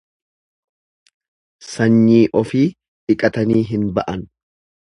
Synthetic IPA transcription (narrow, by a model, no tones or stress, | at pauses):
sɐɲːiːʔɔfiː | ᶑɪkʼɐt̪ɐniːɦɪnbɐʔɐn